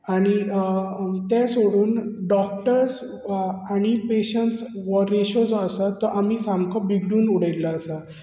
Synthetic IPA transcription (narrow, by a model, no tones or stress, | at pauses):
aɽ̃i | t̪ɛ̃soɽuːnɖɔk̚ʈəɾs | aɽ̃ipeɕəɳʈsʋɔɾeɕɔd͡zɔəsat̪ːɔʔamiːsãmkɔ̃biɡɖuːnuɽajlaːsa